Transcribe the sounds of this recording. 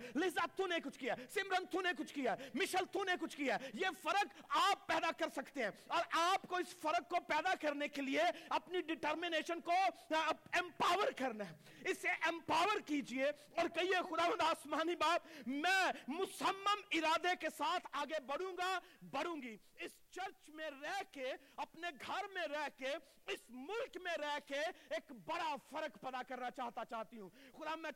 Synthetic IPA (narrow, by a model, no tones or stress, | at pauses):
lɪzaːt̪ʰːũnekʊt͡ʃʰkijasɪmɾə̃nt̪ʰũnekʊt͡ʃʰkijaɛmɪʃəlt̪ʰũnekʊt͡ʃʰkijajefɐɾəkaːpːɛːd̪akɐɾsɐkt̪eɦɛ̃ːɔːɾʔaːpkoɪsfɐɾəkːopɛːd̪akɐɾnekelieɐpniɖɪʈəɾmɪneːʃənko | ɛ̃mpaːʋəɾkɐɾnaɦɛ | ɪsːeʔɛ̃mpaːʋəɾkiːd͡ʒie | ɔːɾkɐɦiexʊd̪aːʋənd̪aːsmaːnibaːpmɛ̃ːmʊsəmːəmɪɾaːd̪ekesaːt̪ʰaːɡebɐɽ̤ũːɡabɐɽ̤ũːŋɡi | ɪst͡ʃɐɾt͡ʃmẽɾɛɦke | ɐpneɡʱɐɾmẽɾɛɦke | ɪsmʊlkmẽɾɛɦkeeːkbɐɽafɐɾəkpɛd̪akɐɾnat͡ʃaːɦt̪at͡ʃaːɦt̪iɦũːxʊd̪ãː